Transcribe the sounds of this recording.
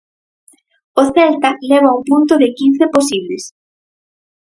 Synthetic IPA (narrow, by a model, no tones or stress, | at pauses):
oθɛlt̪ɐlɛβ̞auŋpunt̪ʊðɪkin̟θeposiβlɪs